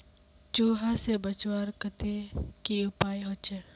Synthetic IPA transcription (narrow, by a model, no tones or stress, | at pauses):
t͡ʃuːɦasebət͡ʃwaːɾkət̪ekiʊpaːiɦot͡ʃeɽ